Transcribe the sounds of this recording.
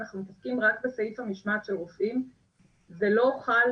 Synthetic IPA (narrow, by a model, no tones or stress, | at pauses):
naχnumet̪afkimʁakbeseifemiʃmat̪ʃelʁofʔim | zelo̞χal